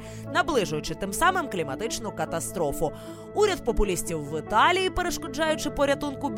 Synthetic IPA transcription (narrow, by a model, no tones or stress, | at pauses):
nɐblˠɪʒʊjʊt͡ʃɪt̪ɪmsɑmɪmklʲimɐt̪ɪt͡ʃnʊkɐt̪ɐst̪ɾɔfʊ | uɾʲɐd̪̚pɔpʊlʲisʲtʲiwːɪt̪ɑlʲijipeɾeʃkɔd͡ʒɑjʊt͡ʃɪpɔɾʲɐt̪unkʊbʲ